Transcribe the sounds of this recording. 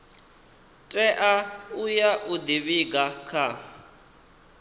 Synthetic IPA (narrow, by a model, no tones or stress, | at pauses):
tʼɛʔaujaʔud̪iβiɡakʰa